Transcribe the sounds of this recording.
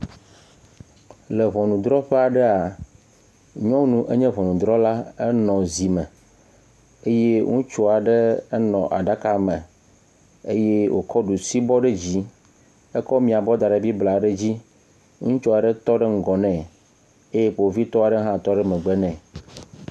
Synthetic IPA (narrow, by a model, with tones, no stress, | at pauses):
le˨βɔ˨nũ˨d̪ɾɔ˦ɸe˦a˨ɖɛ˦a˨ | ɲɔ̃˦nũ˦ʔe˦ɲɛ̃˦βɔ̃˨nũ˨d̪ɾɔ˦la˦ɛ˦nɔ̃˨zi˨mɛ̃˨ | e˦je˦ŋũ˦t͡ʃo˦a˨ɖɛ˦nɔ̰̃˨ʔa̰˨ɖa˦ka˨mɛ̃˨ | e˦je˦wʔo̰˨kɔ˦ɖu˨si˦bɔ˦ɖe˦d͡ʑi˦ | ɛ˦kɔ˦mĩ˨a˨bɔ˦d̪a˨ɖe˨bi˦bla˨ɖe˦d͡ʑi˦ | ŋũ˦t͡ʃɔ˦a˨ɖɛ˦t̪ɔ˦ɖe˦ŋ̩˦ɡɔ˨nɛ̃˨ | e˦je˦ɸo˨vi˦t̪ɔ˦a˨ɖe˦ɦã˦t̪ɔ˦ɖɛ˦mɛ̃˨ɡ͡bɛ˦nɛ̃˨